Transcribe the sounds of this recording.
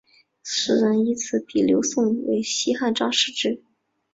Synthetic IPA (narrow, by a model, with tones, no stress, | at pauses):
sɹ̩˨˩ɻa˧˥ni˧˥t͡sʰɹ̩˧˥˩pi˨˩ljo˧˥ʊsʊ˥˩ŋwḛ˧˥ɪɕi˥xa˥˧nʈ͡ʂɑ˥ŋʂɻ̩˥˧ʈ͡ʂɻ̩˥˩